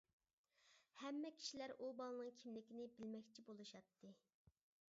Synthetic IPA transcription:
hɛmːɛkʲʰi̥ʃilæɾʔubɑlˠɨnɨŋkʲʰimlɪkʲinɪbɪlmɛkʲt͡ʃʰibolˠuʃɑt̪ʰːɨ

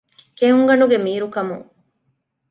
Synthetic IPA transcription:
keɦuŋɡɐnuɡemiːɾukɐmuŋ

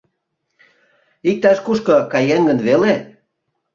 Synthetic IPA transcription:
ik̚t̪ɑʃkuʃkɤ̆kɑjeŋɡənβele

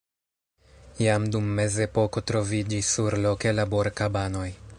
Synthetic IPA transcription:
jamdumːe̞ze̞po̞ko̞tɾo̞vid͡ʒisːuɾlo̞ke̞labo̞ɾkabano̞j

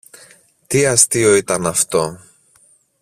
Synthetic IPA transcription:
t̪iɐst̪io̞it̪ɐnɐft̪o̞

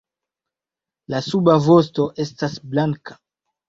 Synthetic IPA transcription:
lasubavo̞sto̞ʔe̞stasblaŋkḁ

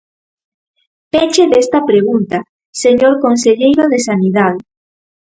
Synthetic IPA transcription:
pet͡ʃeðest̪ɐpɾeɣ̞unt̪a | seɲoɾkonseʎejɾoðesaniðað

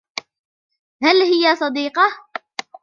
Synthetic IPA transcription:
halhɪjasˤɑd̪iːqɑ

